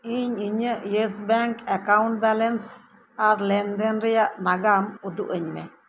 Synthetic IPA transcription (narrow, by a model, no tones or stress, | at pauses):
iɲiɲəjesbaŋkakawnt̚balens | aɾlend̪enɾijaʔnaɡamud̪uʔəɲmḛ